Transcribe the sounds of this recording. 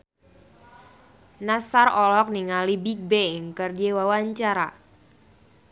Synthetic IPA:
nasarɔlɔk̚niŋalibik̚beŋkərd͡ʒewawaɲt͡ʃaɾa

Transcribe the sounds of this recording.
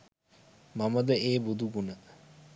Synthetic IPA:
maməd̪əeːbud̪ʱuɡunə

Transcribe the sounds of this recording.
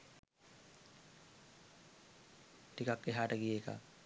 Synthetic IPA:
ʈikakːeɦaːʈɐɡijeːka̰

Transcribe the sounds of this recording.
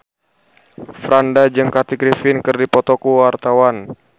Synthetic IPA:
fɾandad͡ʒɨŋkat̪iɡɾifɪnkɨrdipɔt̪ɔkuwart̪awan

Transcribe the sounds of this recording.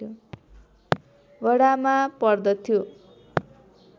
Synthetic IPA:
o | bʌɽamapʌrd̪ʌt̪ʰːjo

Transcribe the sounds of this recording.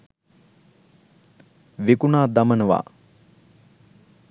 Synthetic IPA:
ʋekunaːd̪amənəʋa̰ː

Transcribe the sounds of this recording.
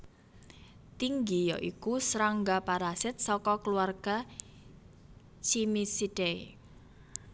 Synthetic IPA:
t̪iŋɡijɔ̰ʔikusɾaŋɡapaɾasɪt̪̚sɔkɔkəluarɡ̥a | t͡ʃimisid̥ei

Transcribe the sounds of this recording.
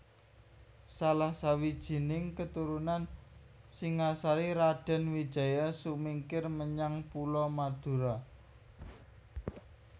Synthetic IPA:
salahsawid̥ʒ̥i̤nɪŋkət̪uɾunan | sɪŋasaɾiɾaɖ̥a̤nwid̥ʒ̥a̤jasumiŋkɪrməɲaŋpulɔmad̪̥ṳɾa

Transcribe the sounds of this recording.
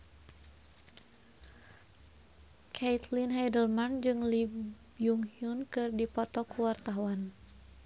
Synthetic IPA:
kʰejt̪linɦadəlmand͡ʒɨŋlibbjuŋhiunkɨrdipɔt̪ɔkuwart̪aɦuan

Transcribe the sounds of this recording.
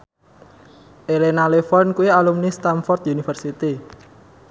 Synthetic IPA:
ʔelenalefɔnkuialumnist̪amfɔrt̪junifərsit̪i

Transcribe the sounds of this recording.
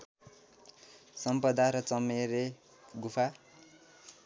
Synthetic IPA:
sʌmpʌd̪aɾʌt͡sʌmeɾe | ɡupʰa

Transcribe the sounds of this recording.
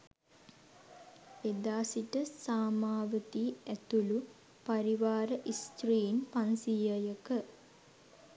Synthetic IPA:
ed̪aːsiʈəsaːmaːʋət̪iæt̪ulu | paɾiʋaːɾəʔist̪ɾiːnpansijəjəkə

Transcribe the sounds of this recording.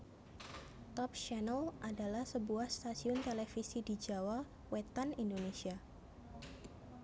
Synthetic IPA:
t̪ɔp̚ʃanəlʔadalahsəbuahst̪asiʊnt̪elefisidid͡ʒawa | wet̪anindonesia

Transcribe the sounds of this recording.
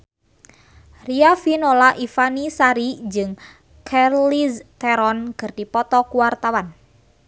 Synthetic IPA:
riafinolaʔifanisaɾid͡ʒɨŋ | kʰɛrlist̪ɛɾɔnkɨrdipɔt̪ɔkuwart̪awan

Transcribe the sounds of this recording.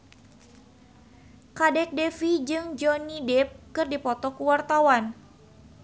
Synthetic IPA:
kadɛk̚dɛfid͡ʒɨŋd͡ʒɔnidɛp̚kɨrdipɔt̪ɔkuwart̪awan

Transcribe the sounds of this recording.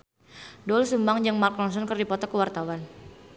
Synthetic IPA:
dɔlsumaŋd͡ʒaŋmark̚lɔns̬ɔnkɨrdipɔt̪ɔkəwart̪awan

